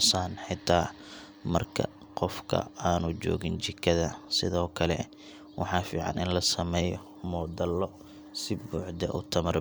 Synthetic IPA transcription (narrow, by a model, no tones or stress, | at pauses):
saːnħɪt̪ʰaː | mɐ̰rkʰɐ̰ | qɔfkʰɐ̰aːnʊt͡ʃɔ̰ːɣɪnt͡ʃɪkʰɐðɐsɪðɔːkʰɐlɛ̰ | wɑ̰ħɑːfiːʕɑ̰nʔɪnlɐsɐmɛːjɔ | mɔːd̪ɐlɔ | sɪbuːʕd̪ɐ̰ʔʊ̰t̪ʰɐmɐr